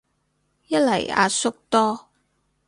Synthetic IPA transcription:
jɐ˥t̚lɐ˨˩ja̰ː˧sʊ˥k̚t̪ɔː˥

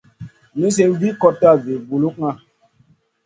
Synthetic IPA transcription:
mi˦s̬e˦mvi˦kɔ˦tːa˦˨ve˨vu˨lu˦k̚ŋa˦

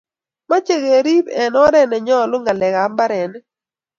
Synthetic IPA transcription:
ma˦t͡ʃe˦˨ɣe˨ɾi˦bɛ˨nɔ˦ɾɛ˦nɛ˨ɲɔ˦˨lʊ˦ŋɡa˨lɛ˨ka˨˦mba˦ɾɛ˨n

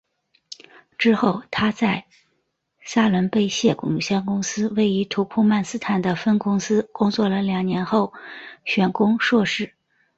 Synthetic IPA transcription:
ʈ͡ʂɻ̩˥xo˥˩ʊt̪ʰa˥t͡sa˥˩ɪ | sa˥lwə˧˥npe˥˧ɪɕjɛ˥˩kʊ˨˩ŋ˧˩ɕjɑ˥ŋkʊ˥ŋsɹ̩˥we˥˩ɪy˧˥t̪ʰu˧˥pʰu˥˧ma˥˩nsɹ̩˥t̪ʰa˨˩nd̪ə˦fə˥nkʊ˥ŋsɹ̩˥kʊ˥ŋt͡swɔ˥˩lə˩ljɑ˨˩ŋnjɛ˧˥nxo˥˩ʊɕɥɛ˧˥nkʊ˥ŋʂwɔ˥˧ʂɻ̩˥˩

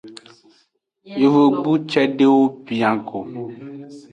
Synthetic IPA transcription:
jo˨ve˦ɡ͡bu˦t͡ʃɛ˦ɖe˦wo˦pi˨ã˨ko˨

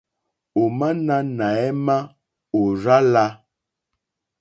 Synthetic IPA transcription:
o˨ma˦na˦na˨ɛ˦ma˦ | o˨ɾa˦la˦

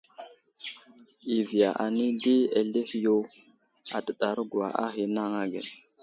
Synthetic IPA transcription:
i˨vi˨ja˨ʔa˨ni˦di˦e˨ɮe˦hi˨jo˦ | a̰˨tə˨ɗa˨ɾɡu˨a˨ʔa˦xi˨na˦ŋa˦ɡḛ˨n

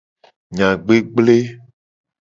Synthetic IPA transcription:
ɲã˨ɡ͡be˦ɡ͡ble˦

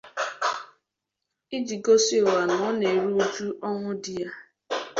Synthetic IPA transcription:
i˦d͡ʒi˨ɡo˦si˦o˨wa˨nɔ˨ɔ˦ne˨ɾu˦u˦d͡ʒu˦ʔɔ˦ŋʷʊ˦di˦ja˦

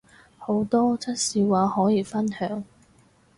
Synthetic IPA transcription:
ho˨˥wt̪ɔː˥t͡sʰɐ˥t̚siː˨˧waː˨˧hɔː˨˥jiː˨˧fɐ˥nhœː˨˥ŋ

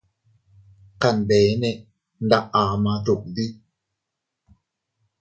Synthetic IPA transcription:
ka˧˨nbeː˨˦ne˧˨ | n˦da˦˧˨ʔaː˨˦ma˧d̪u˨k̚d̪i˦

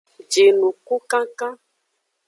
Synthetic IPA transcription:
d͡ʒe˨nũ˨ko˦kã˦kã˦

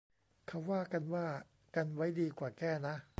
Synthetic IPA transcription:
kʰa˦˥wːaː˥˩ka˧nwaː˥˩ | ka˧nwa˦˥jdiː˧kwaː˨˩kɛː˥˩na˦˥ʔ

